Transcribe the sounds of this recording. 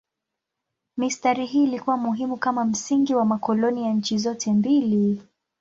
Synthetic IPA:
mistaɾiɦiːlikuwamuɦimukamam̩siŋɡiwamakɔlɔnijaɲ̩t͡ʃizɔtʰɛmbili

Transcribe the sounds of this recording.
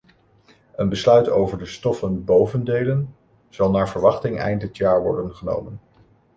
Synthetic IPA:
ənbəslœɥtowvəɹdəstɔfənbowvəndejlən | z̥ɑlˠnaːɹvəɹʋɑχtɪŋɛ̰jntɦətjaːɹʋɔ̰ɹdənχəno̰wmən

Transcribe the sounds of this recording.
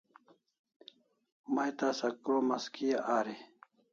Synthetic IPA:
majt̪aːsɐkoːmɐskijaʔaːɾe

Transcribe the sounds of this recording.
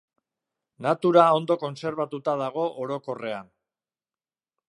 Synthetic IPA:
nat̪uɾao̞nd̪o̞ko̞nse̞ɾβ̞at̪ut̪aðaɣ̞o̞ʔoɾo̞ko̞re̞an

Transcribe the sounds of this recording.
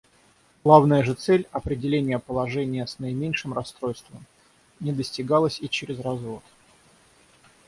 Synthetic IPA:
ɡ̥lˠavnəjəʐɨt̪sɛlʲɐpɾʲɪdʲɪlʲenʲɪjəpəlˠɐʐɛnʲɪjəsnəɪmʲenʲʂɨmrɐst̪ɾo̞jst̪vəm | nʲɪd̪əsʲtʲɪɡalˠəsʲit͡ɕɪɾʲɪzrɐzvo̞t̪

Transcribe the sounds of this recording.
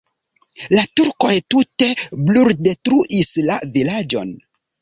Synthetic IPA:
latuɾko̞jtute̞bluɾde̞tɾuʔislavilad͡ʒo̞̰n

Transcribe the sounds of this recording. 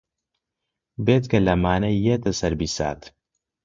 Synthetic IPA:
beːt̪kɐlɐmaːnɐjːet̪ɐsɐɾbisa̰ːt̪

